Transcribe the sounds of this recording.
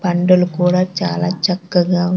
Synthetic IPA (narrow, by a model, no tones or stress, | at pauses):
pɐɳɖulukuːɽaːt͡ʃa̰ːla̰ːt͡ʃɐkːɐɡaː